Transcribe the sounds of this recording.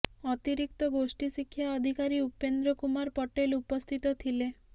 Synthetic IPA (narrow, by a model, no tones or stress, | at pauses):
ɔt̪iɾik̚t̪ɔɡosʈisikʰːjaɔd̪ʱikaɾiupend̪ɾɔkumaɾpɔʈelupɔst̪ʰit̪ɔt̪ʰile